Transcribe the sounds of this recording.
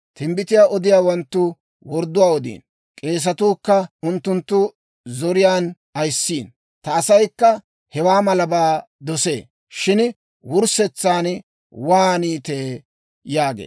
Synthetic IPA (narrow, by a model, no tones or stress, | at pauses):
t̪ɪmbɪt̪ɪjaːʔɔd̪ɪjaːwɐnt̪ːʊ | wɔɾd̪ʊwaːɔd̪ḭːn | kʼe̞ːs̬ɐt̪uːkːɐʊnt̪ːʊnt̪ːʊ | zɔɾɪjaːn | ɐjsːiːn | t̪ɐːsɐjkːɐ | hɛwaːmɐlɐbaː | d̪ɔsḛː | ʃɪn | wʊɾsɛt͡sːaːn | waːniːt̪eː | jaːɡḛː